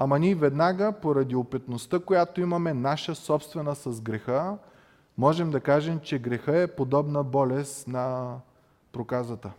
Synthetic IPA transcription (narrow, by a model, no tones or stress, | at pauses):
ɐmɐnʲivɛd̪naɡəpoɾɐd̪iopɛt̪nost̪əkojat̪oimɐmɛnaʃəsɔpst̪vɛnəsɐzɡɾɛxə | mɔʒɛmd̪ɐkaʒɛmt͡ʃɛɡɾɛxəɛpod̪ɔbnəbɔlɛst̪nɐ | pɾokazət̪ə